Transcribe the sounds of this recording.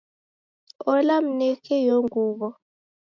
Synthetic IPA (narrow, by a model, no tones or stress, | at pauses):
ɔlam̩nɛkʰɛjoŋuːɓɔ